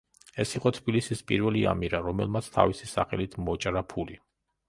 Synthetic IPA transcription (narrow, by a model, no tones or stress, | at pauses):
ɛsiqʼɔt̪ʰbilisispʼḭɾvɛlia̰miɾaɾɔmɛ̰lˠmat̪sʰt̪ʰa̰visisaχɛlit̪ʰmɔt͡ʃʼɾapʰuli